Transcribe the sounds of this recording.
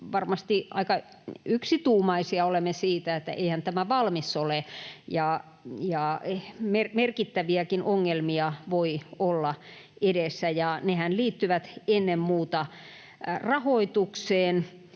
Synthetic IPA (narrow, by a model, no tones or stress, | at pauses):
ʋɑrmɑst̪iʔɑ̰ikɑ | yksit̪uːmɑisiɑolemːesiːt̪æet̪ːæ̰ʔeihænt̪æmæʋɑlmisolejɑ | jɑmermerkit̪ːæʋiækinʔoŋːelmiɑʋoiolːɑ | edesːæjɑnehænliːt̪ːyʋæt̪enːemmuːt̪ɑ | rɑhoit̪ukseːn